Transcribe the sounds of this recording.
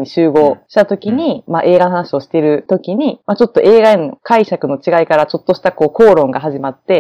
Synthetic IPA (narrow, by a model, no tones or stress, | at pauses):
ɲ̟iɕɨːɡo̞ːɕi̥t̪at̪o̞kʲiɲ̟imaʔe̞ːɡano̞ɦanaɕio̞ɕi̥t̪e̞ɾɯ̟t̪o̞kʲiɲ̟imat͡ɕo̞t̪ːo̞ʔe̞ːɡaenokaiɕakɯ̟no̞t͡ɕiɡaikaɾat͡ɕo̞t̪ːo̞ɕi̥t̪ako̞ːko̞ːɾõ̞ŋɡaɦaʑimat̪ːe̞